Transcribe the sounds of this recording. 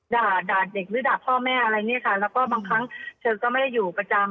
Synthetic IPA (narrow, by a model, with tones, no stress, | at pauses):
daː˨˩t̪̚daː˨˩t̪̚de˨˩k̚ɾɯː˦˥daː˨˩t̚pʰɔː˥˩mɛː˥˩ʔa˧ɾa˧jni˦˥ɐkʰa˥˩lɛː˦˥wkɔː˥˩baː˧ŋkʰa˦˥ŋt͡ɕʰɤː˧kɔː˥˩ma˥˩da˥˩jːuː˨˩pa˧t͡ɕa˧m